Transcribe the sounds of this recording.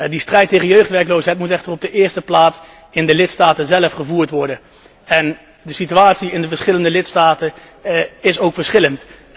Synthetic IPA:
distrɛjtːejχənjøɥχtʋɛɹklowsɦɛjtmutɛχtərɔb̚dəʔɪːɹstəplaːts | ɪndəlɪtstaːtənzɛləfχəvuːɹtʋɔɹdən | ɛn | dəsityaːtsiɪndəvəɹsχɪləndəlɪtstaːtə | ɪsowkfəɹsχɪlənt

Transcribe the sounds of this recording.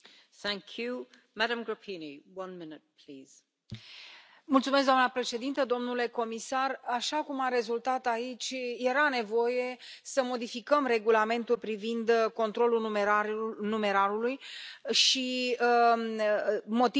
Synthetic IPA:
θæ̃ŋkʰju | madəmɡɹəpʰiniwʌ̃nmɪnɪt̪̚pʰliz̥ | mult̪sumes̬kd̪anəpɾe̞ʃe̞d̪int̪əd̪o̞mnule̞ko̞misaraʃakumaɾe̞zult̪at̪ait͡ʃʲje̞ɾane̞vo̞je̞səmo̞d̪ifikəmre̞ɡulame̞nt̪ulpɾivind̪ko̞nt̪ɾo̞lumeanume̞ɾaɾulujʃi | mo̞t̪i

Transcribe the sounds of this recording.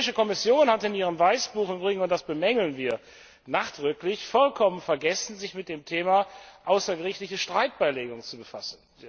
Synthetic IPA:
ɪʃəkɔmɪsjoːnhatɪniːʁ̞əmvaɪsb̥uːχmbʁɪŋənʊntd̥asb̥əmɛŋl̩nviːɐ | naːχd̥ʁʏklɪçfɔlkʰɔmənfɛɐɡɛsn̩zɪçmɪt̚d̥eːmtʰeːmaʔaʊsɐɡəʁɪçtlɪçəʃtʁ̥aɪt̚b̥aɪleːɡʊŋt͡subəfasn̩

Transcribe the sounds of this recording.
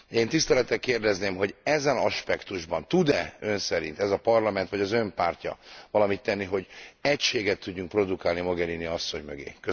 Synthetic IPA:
eːnt̪ist̪ɛlɛt̪ːɛkːeːrd̪ɛzneːmɦo̞ɟɛzɛnɒʃpɛkt̪uʒbɒnt̪ud̪ɛø̞nsɛɾint̪ɛzɒpɒrlɒmɛnt̪ʋɒɟɒzø̞mpaːrcɒ̰vɒlɒmit̪ːɛnːiɦo̞ɟɛcʃeːɡɛt̪ːuɟːuŋk̚pro̞d̪ukaːlnimoɡɛɾiniɒsːo̞ɲmøɡḛːkø

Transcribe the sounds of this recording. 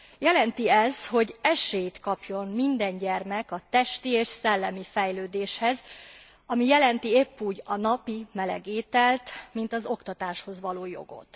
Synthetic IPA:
jɛlɛnt̪iɛzho̞ɟɛʃeːjt̪kɒpjo̞mmind̪ɛɲɟɛrmɛkɒt̪ɛʃt̪ieːʃsɛlːɛmifɛjløːd̪eːʃhɛz | ɒmijɛlɛnt̪iepːuːɟɒnɒpimɛlɛ̰ɡeːt̪ɛlt̪mint̪ɒzo̞kt̪ɒt̪aːʃho̞zʋɒloːjo̞̰ɡo̞̰t̪

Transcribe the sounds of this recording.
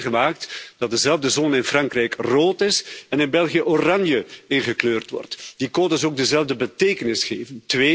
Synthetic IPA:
əmaːk̚td̥ɑt̚dəzɛlˠvdəzɔnəɪnfrɑŋkrɛjkroːtɪsɛnɪnbɛlˠɣijəʔorɑnjəɪnɣəkløːrtʋɔ̰rtd̥ikoːdəzoːɡ̚dəzɛlvdəbəteːkənɪsχeːvəntʋeː

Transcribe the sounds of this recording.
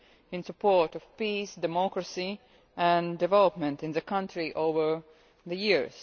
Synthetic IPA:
ɨ̃nsəpʰoɹtɔv̥pisdɛmɔkɹəsi | ʔæ̃ndɨvɛlˠəpmɨ̃ntɨ̃nðəkʰʌ̃ntʰɹiʔoʊvə˞ | ðəjiɹz̥

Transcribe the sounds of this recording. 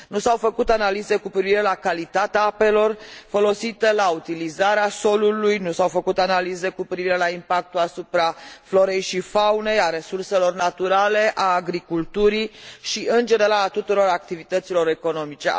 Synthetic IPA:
nusawfəkut̪analize̞kupɾiviɾe̞lakalit̪at̪eaape̞lo̞rfo̞lo̞sit̪elaut̪ilizaɾeaso̞lulujnusawfəkut̪analize̞kupɾiviɾe̞laimpak̚t̪uasupɾaflo̞ɾe̞jʃifawne̞jaɾe̞surse̞lo̞rnat̪uɾale̞ʔaːɡɾikult̪uɾiʃiɨnd͡ʒe̞neɾaat̪ut̪uɾo̞ɾak̚t̪ivit̪ət̪silo̞ɾe̞ko̞no̞mit͡ʃe̞

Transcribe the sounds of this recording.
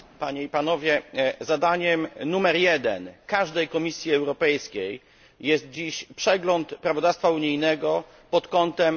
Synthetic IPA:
paɲɛipanɔvʲjɛzad̪aɲɛmnumɛɾjɛd̪ɛ̰nkaʐd̪ɛjkɔmʲisʲjiɛwɾɔpɛjskʲej | jɛst̪̚d͡ʑiɕpʂɛɡlɔnt̪pɾavɔd̪afst̪fauɲijnɛɡɔ | pɔt̪kɔnt̪ɛm

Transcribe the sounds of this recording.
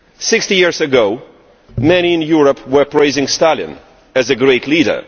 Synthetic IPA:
sɪkstijiɹzɨɡoʊ | mɛñiɨ̃njuɹəpwə˞pɹ̥eɪzɪ̃ŋstælˠɨ̰̃n | ɨzɨɡɹeɪtʰˡliɾə̰˞

